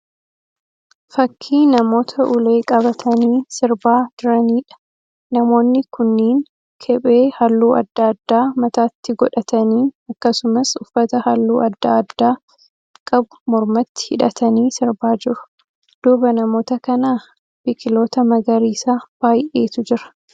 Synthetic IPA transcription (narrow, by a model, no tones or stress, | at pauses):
fɐkʰːiːnɐmo̞ːt̪ʰɐʔʊle̞ːkʼɐβɐt̪ʰɐniːsɪɾbaːd͡ʒ̪ʊɾɐniːᶑɐ̥ | nɐmo̞ːnːɪkʊnːiːn | kʰɛɓʼeːhɐlːuːɐ̰d̪ːaɐd̪ːaːmɐt̪aːt̪ːɪɡɔᶑɐt̪ɐniːɐkːɐsʊmɐsʊfːɐt̪ɐhɐlːuːʔɐd̪ːaɐd̪ːaː | kʼɐbʊ̥mɔɾmɐt̪ːɪ̥hɪᶑɐt̪ɐniːsɪɾbaːd͡ʒɪɾʊ̥ | d̪̥uːbɐnɐmo̞ːt̪ɐkɐna | b̥ɪkʼɪlo̞ːt̪ɐmɐɡɐɾiːsaːb̥aːjʔeːt̪ʊd͡ʒɪɾɐ̥